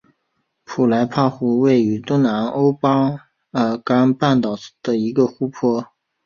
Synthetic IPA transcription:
pʰu˨˩la˧˥ɪpʰa˥˩xu˧˥we˥˩ɪy˧˥t̪wʊ˥ŋna˧˥no˥ʊpa˥ | ə˧˥ka˥npa˥˩nt̪ɑ˨˩ʊd̪̥ə˨i˧˥ɡə˧xu˥pʰɔ˥

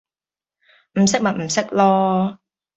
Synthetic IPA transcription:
m̩˨˩sɪ˥k̚mɐ˨t̚m̩˨˩sɪ˥k̚lɔː˥

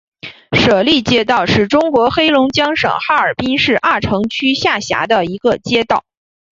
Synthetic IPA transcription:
ʂɤ˨˩li˥˩t͡ɕjɛ˥t̪̬ɑ˥˧ʊʂɻ̩˥˩ʈ͡ʂʊ˥ŋkwɔ˧˥xe˥ɪlʊ˧˥ŋt͡ɕjɑ˥ŋʂɤ̰˨˩ŋxa˥ə˞˨˩pi˥ŋʂɻ̩˥˧ʔa˥˩ʈ͡ʂʰɤ˧˥ŋt͡ɕʰy˥ɕja˥˩ɕja̰˧˥d̪ə˧i˧˥ɡə˧t͡ɕjɛ˥t̪ɑ˥˩ʊ

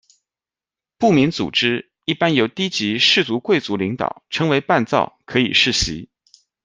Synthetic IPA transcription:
pu˥˩mi˧˥nt͡sṵ˨˩ʈ͡ʂɻ̩˥ | i˥˩pa˥njo˨˧˩ʊt̪i˥t͡ɕi˧˥ʂɻ̩˥˩t͡su˧˥kwe˥˩ɪt͡su˧˥li˧˥ŋt̪ɑ̰˨˩˦ʊʈ͡ʂʰɤ˧˥ŋwe˧˥ɪpa˥˧nt͡sɑ̰˥˩ʊkʰɤ˧˥ḭ˨˩ʂɻ̩˥˩ɕḭ˧˥

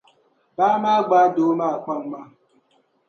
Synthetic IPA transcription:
ba˦ma˦ɡ͡ba˨˦do˨˦ma˦a˨kʷa˦ŋ͡m̩˦ma˦

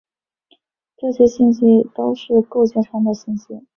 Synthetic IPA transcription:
ʈ͡ʂɤ˥˩t͡ɕʰɛ˥ɕi˥˩nɕi˥t̪o˥ʊʂɻ̩˥˧ko˥˧ʊt͡ɕjɛ˥˩nʈ͡ʂʰɑ˧˥ŋd̪ə˨ɕi˥˩nɕi˥

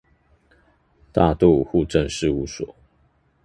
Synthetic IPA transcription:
t̪a̰˥˧t̪u˥˩˨xu˥˧ʈ͡ʂə˥˧nʂɻ̩˥˧u˧˥˦sɔ̰˨˦

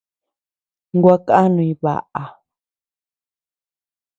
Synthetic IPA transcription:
ŋɡʷwa˦ka˦nũ˧ĩ˧βa̰˨ʔa˨

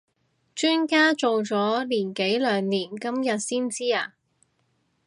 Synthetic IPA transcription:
t͡ʃyː˥nkaː˥t͡so˨wt͡sɔː˨˥liː˨˩nke˨˥jlœː˨˧ŋniː˨˩nkɐ˥mjɐ˨t̚siː˥nt͡siː˥aː˧

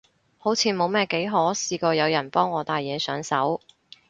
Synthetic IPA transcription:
ho˨˥wt͡sʰiː˨˥mo˨˧wmɛː˥ke˨˥jɦɔː˨˥siː˧kɔː˧jɐ˨˧wjɐ˨˩npɔː˥ŋːɔː˨˧t̪aː˨jjɛː˨˧sœː˨˥ŋsɐ˨˥w

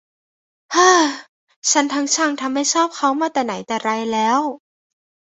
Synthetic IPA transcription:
ʔaː˧˩ | t͡ɕʰa˦˥nt̪ʰaː˦˥ŋt͡ɕʰaː˧˩ŋt̪ʰa˧mːa˥˩jt͡ɕʰɔː˥˩p̚kʰa˦˥wmaː˧˥˩t̪ɛː˨˩na˩˦jt̪ɛː˨˩ɾa˧jlɛː˦˥w

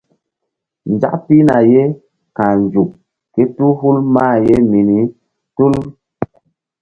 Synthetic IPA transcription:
n˨d͡ʒa̰˦ʔpi˦na˨je˦ | ka˨n˨d͡ʒu˨k̚ | ke˦tu˦hu˦lmaː˦˨je˦mi˨ni˨˦ | tu˦l

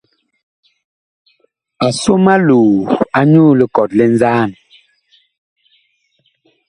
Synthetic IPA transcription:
a˨so˦ma˦luː˨a˦ɲu˦˨li˦˨kɔ˨tlɛ˦n˦zaː˦˨n

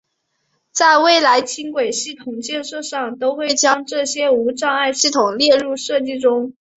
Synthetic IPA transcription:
t͡sa˥˧ɪwe˥˩ɪla˧˥ɪt͡ɕʰi˥nkwe˨˩ɪɕi˥˩t̪ʰʊ˨˩ŋt͡ɕjɛ˥˧nʂɤ˥˧ʂɑ˥˩ŋt̪o˥ʊxwe˥˩ɪt͡ɕjɑ˥ŋʈ͡ʂɤ˥˩ɕjɛ˥u˧˥ʈ͡ʂɑ˥˧ŋa˥˧ɪɕi˥˩t̪ʰʊ˨˩ŋljɛ˥˧ɻu˥˧ʂɤ˥˧t͡ɕi˥˩ʈ͡ʂʊ˥ŋ

